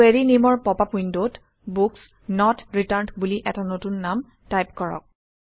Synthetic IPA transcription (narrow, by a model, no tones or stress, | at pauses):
eɹinimɔɹpɔpapujndot | buks | nɔtɹitaɹntbuliʔɛtanotunːam | tajp̚kɔɹɔ̰k̚